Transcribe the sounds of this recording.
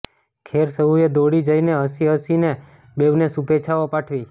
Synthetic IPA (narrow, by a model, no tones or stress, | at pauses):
kʰeɾsəɦued̪oɽid͡ʒəineɦəsiɦəsine | beʋnesupet͡ʃʰaʋopaʈʰʋi